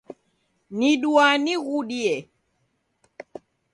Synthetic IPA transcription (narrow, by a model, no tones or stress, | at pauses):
niɗuaniɣuɗiɛ